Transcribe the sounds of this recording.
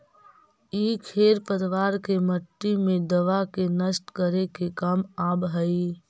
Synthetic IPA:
iːkʰeːɾpəɾiʋaːɾkeməʈːimẽd̪əʋakenəsʈkəɾekekamaːbɦəi

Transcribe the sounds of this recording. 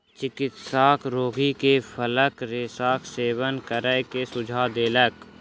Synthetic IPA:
t͡ʃɪkɪt̪saːkʰɾoːɡikepʰələkɾesaːkseːwənkəɾəkesʊd͡ʒʱaːd̪eːlək

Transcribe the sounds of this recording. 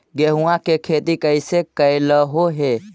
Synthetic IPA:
ɡeɦuakekʰet̪ikəjsekəjləɦoɦe

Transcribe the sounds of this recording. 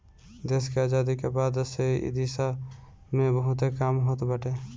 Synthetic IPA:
d̪eskeaːd͡ʒaːd̪ikebaːd̪seʔd̪isa | mẽbəɦʊt̪ekaːmɦot̪bəʈe

